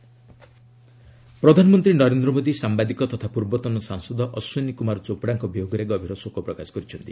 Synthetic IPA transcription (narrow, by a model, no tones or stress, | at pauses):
pɾɔd̪ʱanɔmɔnt̪ɾinɔɾend̪ɾɔmod̪isambad̪ikɔt̪ɔt̪ʰapuɾbɔt̪ɔnɔsaŋsɔd̪ɔʔɔsunikumaɾt͡ʃopɔɽaŋkɔbijoɡɔɾeɡɔbʱiɾɔsokɔpɾɔkasɔ̥kɔɾit͡ʃʰɔnt̪i